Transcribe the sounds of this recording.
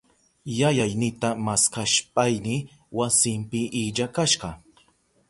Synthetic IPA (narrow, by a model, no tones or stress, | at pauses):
jajajnɪt̪amaskaʃpʼajnɪ | wasɪmpɪʔiʎakaʃɢɑ